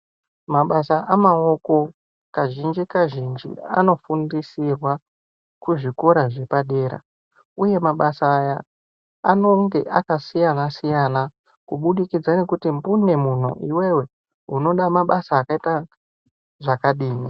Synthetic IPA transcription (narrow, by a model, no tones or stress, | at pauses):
maɓasaʔamao̞ko̞ | kaʒind͡ʒikaʒind͡ʒḭa̰no̞fundisirwa | kuʐiko̞ɾaʐe̞paɗe̞ːɾa̰ | uje̞maɓasaːja | ano̞ŋɡe̞̰ʔakasijanasijana | kuɓuɗikid͡zane̞kutimbune̞mun̤ṵʔiwe̞we̞ | uno̞ɗamaɓasaːkaita | ʐakaɗiːni